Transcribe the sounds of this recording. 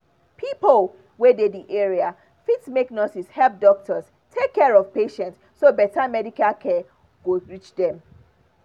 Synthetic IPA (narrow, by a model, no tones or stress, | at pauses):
pʰipol | wɛdediʔɛɹia | fitmeknɔtishɛlp̚dɔk̚tʰɔs | tʰekːɛɹɔv̥peʃɛ̃ntssːobɛtʰamɛdikalkʰɛ | ɡ̥oɹit͡ʃdɛ̃m